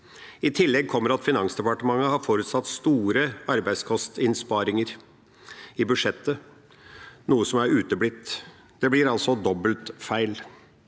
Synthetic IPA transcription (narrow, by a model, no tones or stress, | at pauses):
ɪt̪ʰɪlːɛɡ̚kʰɔmːəɾɑt̪fɪnɑŋsd̪ɛpɑʈəmɑŋːəhɑɾfoːɾʉt̪sɑt̪ːst̪uːɾəɑɾbæɪskʰɔst̪ɪnspɑːɾɪŋəɾ | ɪbʉʂɛt̪ːə | nuːəsɔmæɾʉːt̪əbɽɪt̪ː | d̪̥ɛblɪɾɑlsɔd̪ɔbəlt̪fæɪl